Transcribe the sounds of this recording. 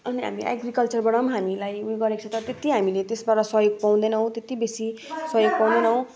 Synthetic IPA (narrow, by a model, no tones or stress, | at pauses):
ʌniɦa̰miʔa̰ɡrikʌlt͡sʌrbʌɽʌmɦamilajuɡʌɾekt͡sʰot̪ʌɾʌt̪et̪iɦamilet̪esbaɾʌsʌjoɡ̚pãw̃d̪enʌɦõt̪et̪ibesisʌjoɡ̚paw̃d̪enʌɦõ